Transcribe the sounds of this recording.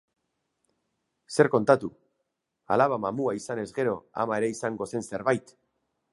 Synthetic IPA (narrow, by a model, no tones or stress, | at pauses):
se̞ɾko̞nt̪at̪u | a̰laβ̞amamuaisane̞zɣe̞ɾo̞a̰maeɾeisaŋɡo̞se̞nse̞ɾβajt̪